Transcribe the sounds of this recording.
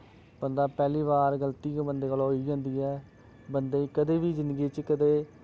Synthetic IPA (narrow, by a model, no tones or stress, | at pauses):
bənd̪aːpɛːliːβaːɾɡəlt̪iːkːbənd̪eːkəloɦoiːd͡ʒãːnd̪iːɛː | bənd̪eːkəd̪eːʋiːzɪ̃nd̪ɡiːt͡ʃkəd̪eː